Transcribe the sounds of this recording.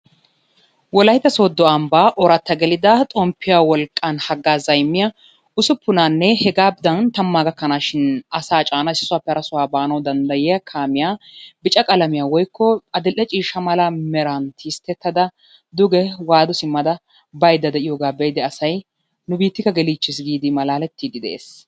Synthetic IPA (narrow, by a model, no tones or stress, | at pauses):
wɔlɐjt̪ːɐsoːd̪ːɔɐmbaːʔɔɾɐt̪ːɐɡɛlɪd̪ɐt̪ʼɔmpʰːɪjaːwɔlkʼːanhɐɡːaːzɐjmːɪjɐ | ʊsʊpːʊnaːnːɛhɛɡaːb̚d̪ɐnt̪ɐmːaːɡɐkːɐnaːʃɪnɐsaːt͡ʃʼaːnɐɪsɪ̥sʊwaːpːɛɐɾɐsʊwaːbaːnɐwd̪ɐnd̪ɐjɛjɐkʰaːmɪjaːbɪt͡ʃʼɐkʼɐlɐmɪjaːwɔjkʰːɔɐd̪ɛlʔːɛt͡ʃʼiːʃɐmɐlɐmɛɾant̪ʰiːst̪ːɛt̪ːɐd̪ɐ | d̪ʊɡɛwaːd̪ɔsɪmːɐd̪ɐ | bɐjd̪ːɐd̪ɛʔɪjɔːɡaːbɛjd̪ɛɐsɐj | nʊbiːt̪ːɪkːɐɡɛliːt͡ʃːɪs̬ɡiːd̪ɪmɐlaːlɛt̪ːiːd̪ɪd̪ɛḛːs